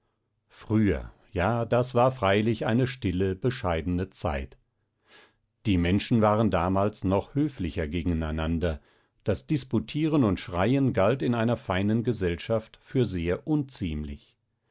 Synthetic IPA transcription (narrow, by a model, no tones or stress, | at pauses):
fʁ̥yːɐ̰ | jaːdasv̥aːɐfʁ̥aɪlɪçʔaɪnəʃtɪləbəʃaɪdn̩ət͡sa̰ɪt | d̥iːmɛnʃn̩vaːʁəndaːmaːlsnɔχhøːflɪçɐɡeːɡŋ̩aɪnandɐ | d̥asd̥ɪsputʰiːʁənʊntʃʁ̥aɪənɡaltɪnaɪnɐfaɪnənɡəzɛlʃaftfyːɐzeːɐʔʊnt͡siːmlɪ̰ç